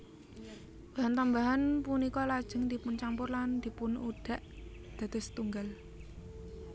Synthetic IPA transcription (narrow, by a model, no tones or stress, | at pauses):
b̥a̤ɦant̪ambaɦanpunikɔlad̥ʒ̥əŋd̪̥i̤pʊnt͡ʃampʊrland̪̥i̤pʊnuɖ̥a̤ʔd̪̥a̤d̪̥ɔ̤st̪uŋɡal